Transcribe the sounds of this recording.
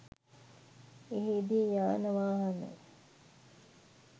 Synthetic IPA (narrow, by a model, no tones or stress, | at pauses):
eɦid̪ijaːnəʋaːɦɐnə̰